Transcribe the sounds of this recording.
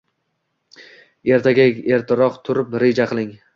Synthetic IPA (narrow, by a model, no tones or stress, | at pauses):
e̞ɾt̪ʰaɡʲae̞ɾt̪ʰɪɾɒqt̪ʰʊɾɪpɾe̞d͡ʒaqʰɨlˠɪŋ